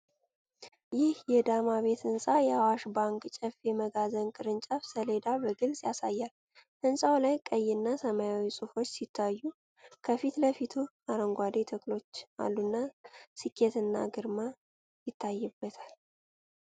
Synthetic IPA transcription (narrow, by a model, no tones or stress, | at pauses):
jɪhjɛd̪amaβe̞t̪ɨnsʼajɛawaʃbaŋkʼt͡ʃʼəfjɛməɡazənkʼɨɾɨnt͡ʃʼafsəle̞d̪abəɡɨlsʼjasajːal | ʔɨnsʼawlajkʼəjːɪnːasəmajawisʼufo̞t͡ʃːsit̪ʰːajːu | kʰəfit̪ləfit̪ʰu | aɾəŋɡʷad̪et̪ʰəkʼlo̞t͡ʃːa̰lːunːasɨkʰːet̪ɨnːa̰ɡɨɾma | jɪt̪ːajːɨbːət̪ʰal